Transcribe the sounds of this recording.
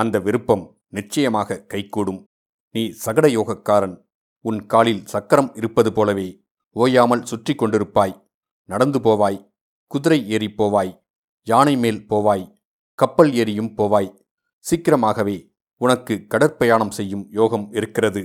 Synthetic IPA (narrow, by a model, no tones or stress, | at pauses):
ɐnd̪ɐʋɪɾɯpːɐm | nɪt͡ʃːɐjɐmaːɣɐkɐɪkːuːɽɯm | niːsɐɣɐɽɐjoːɣɐkːaːɾɐn | ʊnkaːlɪlsɐkːɐɾɐmɪɾɯpːɐðɯpoːlɐʋeː | oːjaːmɐlsʊʈrɪkːɔɳɖɪɾɯpːaːj | nɐɽɐnd̪ɯpoːʋaːj | kʊðɪɾɐɪeːɾipːoːʋaːj | jaːnɐɪmeːlpoːʋaːj | kɐpːɐleːɾɪjɯmpoːʋaːj | sikɪɾɐmaːɣɐʋeː | ʊnɐkːɯkɐɽɐɾpɐjaːɳɐmsɛjːɯmjoːɣɐmɪɾɯkːɪrɐðɯ